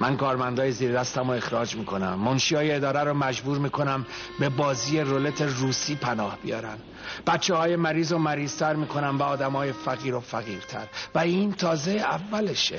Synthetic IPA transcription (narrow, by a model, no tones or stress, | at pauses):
mænkɒːɾmænd̪ɒːjeziːɾd̪æst̪æmoe̞xɾɒːd͡ʒmiːkʰo̞næmːonʃijɒːjeed̪ɒːɾæɾomæd͡ʒbuːɾmiːkʰo̞næm | be̞bɒːziːjeɾolet̪ʰeruːsiːpʰænɒːhb̥ijɒ̰ːɾæ̰n | b̥æt̪t͡ʃʰːehɒːjemæɾiːzomæɾiːz̥t̪ʰæɾmiːkʰo̞næmvæɒːd̪æmɒːje̞fæɣiːɾofæɣiːɾt̪ʰæ̰ɾvæiːnt̪ʰɒːze̞jævːæleʃe